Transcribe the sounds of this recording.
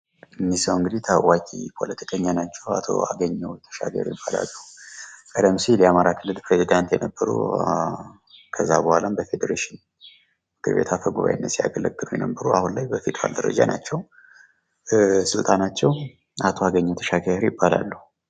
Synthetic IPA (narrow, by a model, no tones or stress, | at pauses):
ɨmːisəwɨŋɡɨd̪it̪ʰəwakʼipʰo̞lət̪ʰi̥kʼʰəɲːanat͡ʃːɛwa̰t̪ʰo̞̰a̰ɡəɲːɛwt̪ʰə̥ʃa̰ɡə̰ɾjɪbːala̰lːəhukʼəd̪əmʃilɛamaɾakʰɨlːɨlpʰɾezid̪ant̪jɛnəbːəɾṵ | kʰəzːabəhʷalambəfe̞d̪əɾeʃɪn | mɨkʰɨɾbe̞̰t̪ʰafəɡuβa̰jɨnːəsia̰ɡələɡːɨlujɛ̰nəbːəɾuahunlajbəfed̪ɾa̰ld̪əɾə̰d͡ʒa̰nat͡ʃːɛw | sɨlt̪ʼanat͡ʃːɛw | at̪ʰo̞aɡəɲːɛwt̪ʰəʃaɡəɾjɪbːala̰lːəhu